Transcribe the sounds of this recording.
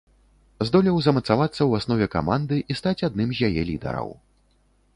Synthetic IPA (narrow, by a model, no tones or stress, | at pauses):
zd̪ɔlʲiwzɐmɐt̪savat̪sːɐwasnɔvʲɛka̰mand̪ɨʔist̪at͡sʲad̪nɨmzʲjajɛlʲid̪ɛ̰ɾɐ̰w